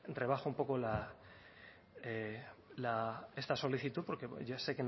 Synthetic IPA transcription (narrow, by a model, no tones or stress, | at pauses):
rre̞β̞axoumpokola | elaest̪aso̞liθit̪uðpo̞ɾke̞̰ose̞ken